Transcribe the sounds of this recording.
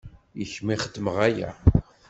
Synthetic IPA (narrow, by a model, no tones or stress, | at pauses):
jəçmiχəd̪ːməʁæjæ̰